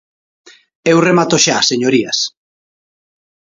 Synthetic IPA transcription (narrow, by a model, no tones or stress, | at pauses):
ewremat̪oʃaːseɲoɾias